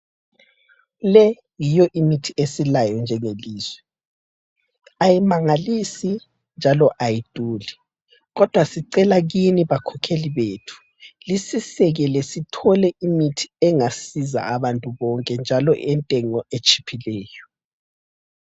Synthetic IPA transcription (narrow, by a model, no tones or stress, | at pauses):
lɛ | jijɔʔimitʰiesilajɔnd͡ʒʱɛŋeliːzwɛ | ajimaŋalisi | nd͡ʒʱalɔʔajid̥ʼʱuːli | ɣɔd̥ʱwasiǀɛlaɣiniβakʰɔkʰeliβeːtʰu̥ | lisisɛɣɛlɛsitʰɔlɛʔimitʰi̥ɛŋasiza̰aβantʼuβɔŋkʼɛnd͡ʒʱalɔʔɛntʼɛŋɔet͡ʃʼi̥pʰilɛːjɔ